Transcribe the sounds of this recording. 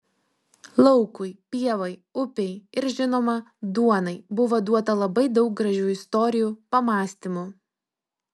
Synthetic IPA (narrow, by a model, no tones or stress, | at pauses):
lˠɒʊkʊɪpʲiɛʋɐɪʊpʲɛɪɪɾʒʲɪnoːmɐd̪uɔnɐɪbʊʋod̪uɔt̪ɐlˠɐbɐɪd̪ɒʊk̚ɡɾɐʒʲuːɪst̪ɔɾʲɪjuːpɐmɑːsʲt̪ʲimʊ